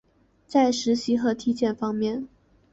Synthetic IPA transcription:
t͡sa˥˩ɪʂɻ̩˧˥ɕi˧˥xɤ˧˥t̪ʰi˥t͡ɕjɛ˥˩nfɑ˥ŋmjɛ˥˩n

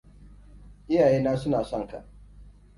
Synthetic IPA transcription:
ʔɪ˦jaː˨jeː˦naː˦sʊ˦naː˨sɔ˦ŋka̰˨ʔ

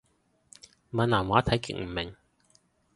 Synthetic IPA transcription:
mɐ˨˧nlaː˨˩mwaː˨˥t̪ʰɐ˨˥jkḭ˨k̚m̩˨˩mɪ˨˩ŋ

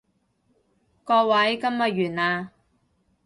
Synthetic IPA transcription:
kɔː˧wɐ˨˥jkɐ˥mːɐ˨t̚ɥyː˨˩naː˧

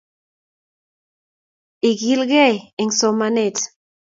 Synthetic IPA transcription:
i˨ɡi˦lɡɛ˦ɛ˨ŋsɔmane˦˨t

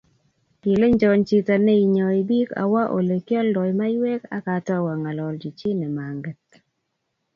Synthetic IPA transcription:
pi˨le˦ɲd͡ʒɔ˨˦nt͡ʃi˦ta˨nɛ˦i˨ɲɔ˨i˨bi˦ka̰˨wa˦ʔo̰˨le˨kjɔ˦ldɔ˨jma˦jwɛ˦ka˦ka˨tɔ˦wa˨ŋa˨lɔ˨ld͡ʒi˨t͡ʃi˦nɛ˨ma˨ŋɡɛ˨t

